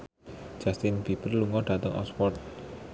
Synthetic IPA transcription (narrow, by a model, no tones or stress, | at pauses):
d͡ʒ̥ast̪ɪnb̥ipərluŋɔɖ̥a̤t̪əŋʔɔ̰spɔrt̪̚